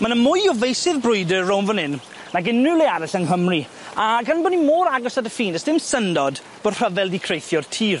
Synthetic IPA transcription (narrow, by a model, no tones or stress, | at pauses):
manəmʊjɔvejsɪðbrʊɨdəownvənɪn | naɡɪnɪlˠiaɾɪɬənɦəmri | aɡanbɔnimoːɾaɡɔsadəfiːnəsd̥ɪmsəndɔd | b̥ɔr̥əvɛlˠdikʰrejθjɔrtʰiːr